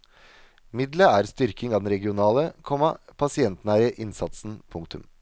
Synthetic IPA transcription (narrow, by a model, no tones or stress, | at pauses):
mɪd̪ləæːɾst̪ʏɾkɪŋɑːd̪ɛnɾɛɡɪʊnɑːləkʰɔmɑpʰɑsɪɛnt̪næːɾɪəʔɪnsɑt̪sn̩pʰʊŋk̚t̪ʰʉ̰m